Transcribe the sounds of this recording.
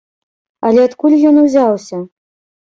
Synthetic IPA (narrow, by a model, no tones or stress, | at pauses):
ɐlʲɛat̪kulʲjɔnuwzʲawsʲɐ